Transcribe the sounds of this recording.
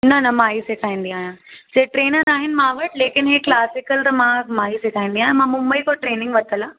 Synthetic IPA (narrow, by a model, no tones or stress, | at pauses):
nɐnɐmãːɦisekʰaːĩːnd̪iaːɦjãseːʈɾeːnəɾaːɦɪnɪ̆mãʋɐʈleːkɪnɦeklaːsɪkəlɾmãmaːɦiseːkʰaːĩːnd̪ĩaːɦjãmãːmʊ̃mbəikoʈɾeːnɪ̃ŋɡʋɐt̪ʰəlaː